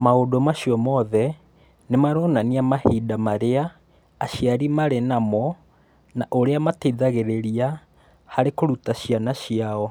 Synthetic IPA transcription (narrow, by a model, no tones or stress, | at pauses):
maodomaɕjɔmɔðɛ | nemaɾɔnaniamahidamaɾeaː | ɕjaɾimaɾenamɔ | naʔoɾeamateðaɣeɾeɾia | haɾekoɾutaɕianaʃiaɔ